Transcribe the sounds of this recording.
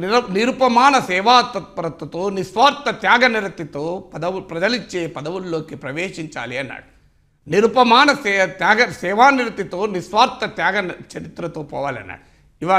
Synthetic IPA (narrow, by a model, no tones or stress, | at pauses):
niɾniɾupɐmaːnɐsɛːʋaːt̪ɐt̪pɐɾɐt̪ːɐt̪unisʋaːɾt̪ːɐt̪jaːɡɐniɾɐt̪ːit̪upɐd̪ɐʋupɾɐd͡ʒ̪ɐlit͡ʃːeːpɐd̪ɐʋulːoːkipɾɐʋeːʂiɲt͡ʃa̰ːlijɐnːɐ̰ | niɾupɐmaːnɐsɛːt̪jaːɡɐsɛːʋaːniɾɐt̪it̪unisʋaːɾt̪ɐt̪jaːɡɐnt͡ʃɐɾit̪ɾɐt̪upɐʋɐlɐ̰nɐ̰ | iʋaː